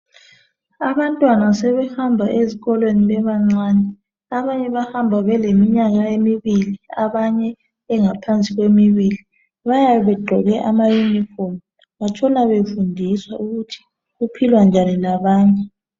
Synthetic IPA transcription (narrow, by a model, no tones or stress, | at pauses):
aβantʼwanasɛβɛhambʱaʔeziɣɔlweniβɛβaŋ͡ǀaːnɛ | aβaɲɛβahambʱaβɛlemiɲaɣaemiβiliaβaɲɛː | ŋapʰant͡sʼiɣwemiβili | βajaβɛɡ͡ǃʱɔɣɛʔamajunifɔm | βat͡ʃʼɔnaβefundʱiswauɣutʰi̥ | ɣupʰilwand͡ʒʱanilaβaːɲɛ